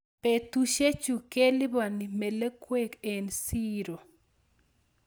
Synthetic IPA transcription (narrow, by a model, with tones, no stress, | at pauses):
pe˨t̪u˦ʃe˦t͡ʃu˨ke˦lɪ˦ba˨ni˨me˨le˦kwe˦ke˨nsi˦ɾo˨